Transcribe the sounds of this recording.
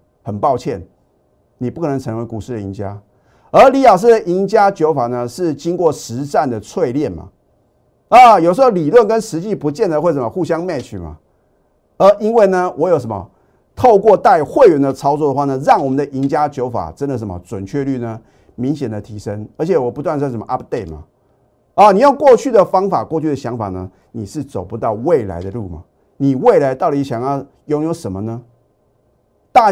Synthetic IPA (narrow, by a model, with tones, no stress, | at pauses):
xə˨˩npɑ˥˧ʊt͡ɕʰjɛ˥˩n | ni˨˩pu˥˩kʰə˨˩nə˧˥ŋt͡sʰɤ˧˦ŋwe˧˥ɪku˨˩ʂɻ̩˥˩də˨˩ḭ˧˦nt͡ɕja̰˥ | ə˧˥li˧˥jɑ˨˩ʊʂ̬ɻ̩˥˩d̪ə˨˩ʔi˧˥ŋt͡ɕja˥t͡ɕjo˧˦ʊfa˨˩nə˦ʂɻ̩˥˩t͡ɕi˥ŋkwɔ˥˩ʂɻ̩˧˦˥t͡sa˥˨˩nd̪ə˩t͡sʰwe˥˧ɪljɛ˥˩nma̰˨˩ | ə˥˨jʊʂ̩˧˥xo˧˩ʊli˨˩lwə˥˩nkə˦nʂɻ̩˧˥t͡ɕi˥˨pu˧˥t͡ɕjɛ˥˩nd̪ə˨xwe˥˩ɪʂ̬ə˦mə˦xu˥˨˩ɕjɑ˥ŋma˥˧ɪt͡ɕʰy̰˨˩ma̰˩ | ə˧˥ʔi˦˥nwe˥˩ɪnə˨wʔɔ˧˥jo˨˩ʊʂ̬ə˧˦mə̰˧ | t̪ʰo˥˧ʊkwɔ˥˧t̪a˥˧ɪxwe˥˩ɪɥɛ˨˥nd̪ə˧t͡sʰɑ˥ʊt͡swɔ˥˩də˨˦xwa˥˩nə˦ɻɑ˥˩ŋwɔ˨˩mə˨nd̪ə˨ʔi˧˥ŋt͡ɕja˥˦t͡ɕjo˧˥ʊfa̰˨˩ʈ͡ʂə˦˥nd̪ə˨ʂ̬ə˧˥mə̰˧t͡swə˨˩nt͡ɕʰɥɛ˥˧ly˥˧nə˨ | mi˧˥ŋɕjɛ˨˩nd̪ə˦t̪ʰi˧˥ʂə˦ŋə˞˧˥t͡ɕʰjɛ˨˩wɔ˨˩pu˧t̪wa˥˧n˥˩ʂə˧˦mə̰˧ʔa˥pt̪e˥˩ɪma̰˨˩ | ə˧ni˨˩jɑ˥˧ʊkwɔ˥˧t͡ɕʰy˥˩d̪ə˩fɑ˥ŋfa˨˩kwɔ˥˧t͡ɕʰy˥˩ɾə˩ɕjɑ˧˥ŋfa̰˨˩nə˦ | ni˨˩ʂɻ̩˥˩t͡so˨˩ʊpu˧˦t̪ɑ˥˧ʊwe˥˩ɪla̰˧˥ɪd̪ə˧lṵ˥˩ma̰˨˩ | ni˨˩we˥˩ɪla˧˥ɪt̪ɑ˥˩ʊt̪i˨˥ɕjɑ˨˩ŋjɑ˥˩ʊ | jo˧˥ŋjo˧˥ʊʂə˨˦˥mə˦nə˧ | t̪a˥˧